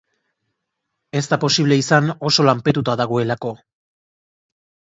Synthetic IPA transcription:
e̞zt̪apo̞siβle̞isano̞so̞lampe̞t̪ut̪aðaɣ̞o̞e̞lako̞

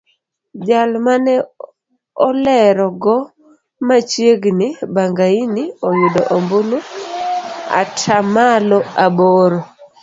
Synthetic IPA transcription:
d͡ʒalmanɛ | ɔlɛɾɔɡɔ | mat͡ʃjeɡnɪbaŋɡainɪɔjʊdɔʔombonu | a̰tʰamalɔaboɾo

